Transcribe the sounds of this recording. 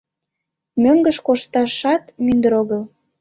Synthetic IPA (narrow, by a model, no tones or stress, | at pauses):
møŋɡəʃkoʃt̪ɑʃɑt̪mynd̪əɾoɣəl